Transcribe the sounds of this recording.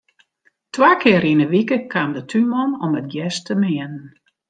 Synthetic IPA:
tʰʋaːkʰɪəɾinəʋikəkʰaːmdətʰymɔmɔmət̚jɛstʰəmɪənən

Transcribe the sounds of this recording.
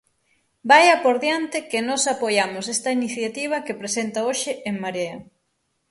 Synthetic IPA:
bajɐpoɾðjant̪ɪkɪnɔsapojamʊsest̪ɐiniθjat̪iβ̞ɐkepɾesent̪ɐoʃɪʔeŋmaɾeɐ

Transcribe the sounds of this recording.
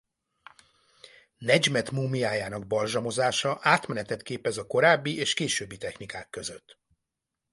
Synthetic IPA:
nɛd͡ʒmɛt̪muːmiaːjaːnɒɡ̚bɒlʒɒmo̞zaːʃɒʔaːt̪mɛnɛt̪ɛt̪keːpɛzɒko̞ɾaːbːiʔeːʃkeːʃøːbːit̪ɛxnikaːkːø̞zøt̪ː

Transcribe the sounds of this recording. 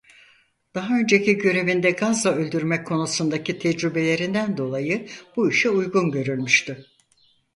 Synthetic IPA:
d̪̥aɦaø̞nd͡ʒe̞cʰiɟø̞ɾe̞vind̪ɛɡazlaø̞lʲd̪yɾmɛckʰːo̞nusund̪acʰit̪ʰɛd͡ʒɾybe̞lʲe̞ɾind̪ænd̪o̞lˠajɯb̥uiʃɛujɡunɟø̞ɾylʲmyʃt̪y

